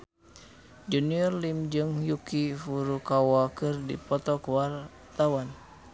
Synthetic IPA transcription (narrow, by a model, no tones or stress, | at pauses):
d͡ʒuniɔrlimd͡ʒɨŋjukifuɾukawakɨrdḭpɔt̪ɔkəwar | t̪awan